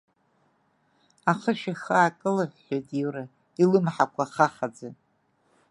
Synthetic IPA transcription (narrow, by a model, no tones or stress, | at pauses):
aχəʃaxaːkʼɨlɨħʷħojtʼiwra | ilɨmħakʷʰaχaχad͡zɨ